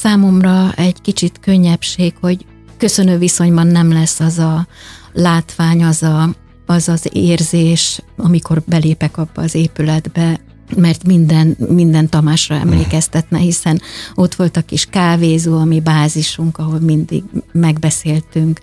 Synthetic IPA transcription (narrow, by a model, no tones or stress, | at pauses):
saːmo̞mrɒɛɟkit͡ʃit̪kø̞ɲːɛpʃeːkho̞ɟ | kø̞sø̞nøːviso̞ɲbɒnːɛmlɛsːɒzɒlaːt̪ʋaːɲɒzɒ | ɒzɒzḛːrzeːʃɒmiko̞rbɛleːpɛkɒbːɒ̰ːzeːpylɛd̪bɛ | mɛrt̪mind̪ɛnmind̪ɛnt̪ɒmaːʃrɒɛ̰mleːkɛst̪ɛt̪nɛhisɛno̞t̪ʋo̞lt̪ɒkiʃkaːveːzuɒmibaːziʃuŋkɒɦo̞lmind̪ḭɡmɛɡbɛseːlt̪yŋk